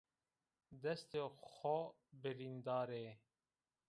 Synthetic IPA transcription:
d̪ɛst̪exɔ | bɪɾiːnd̪ɑːɾeː

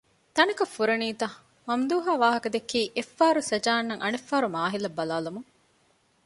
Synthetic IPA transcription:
t̪ɐnɐkɐfːuɾɐniːt̪ɐ | mɐmd̪uːɦaːʋaːɦɐkɐd̪ekiːʔefːaːɾusɐd͡ʒaːnːɐŋʔɐnefːaːɾumaːɦilɐbːɐlaːlumuŋ

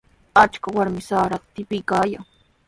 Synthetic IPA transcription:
at͡ʃkawaɾmɪsaːɾat̪ɪpɪjkaːjaŋ

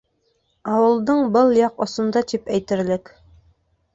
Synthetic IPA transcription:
ɑwɤ̆lˠd̪ɤɴbɤlˠjɑqŏsŏnd̪ɑt̪ipæjt̪ɘ̆ɾlɘk

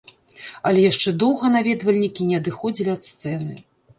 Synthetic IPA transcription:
ɐlʲɛjaʂt͡ʂɛd̪ɔwɣɐnavʲɛd̪vɐlʲnʲikʲinʲɛɐd̪ɨxɔd͡zʲilʲiɐt̪st̪sɛnɨ

